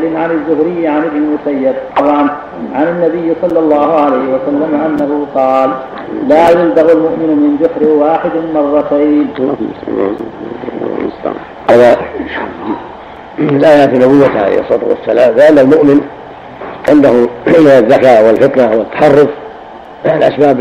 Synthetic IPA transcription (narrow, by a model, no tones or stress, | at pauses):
lɪnʕanɪzːʊhɾɪjːaʕanʔɪbnɪmʊsajːɪd̚t̪ˤɑbʕɑn | ʕanɪnːabɪjːsˤɑlˤːɑlˤːɑːhʊʕalajhɪwasalːamʔanːahʊqɑːlː | aːjʊld̪aɣalmʊʔmɪnmɪnd͡ʒ̪ʊħɾɪwaːħɪd̪mɑrˤːɑt̪aːn | ʔaða | lʔaːjaʕt̪inʊbʊwːaʕa̰ḛjhʔɑ̰sˤɑːt̪ṵwa̰sːalaːmlɪʔanːalmʊʔmɪn | ʕɪnd̪ahʊmaðːakaːʔwɪlfɪt̪nawɪt̪ːḁħɑrˤːʊf | alʔa̰sbaːb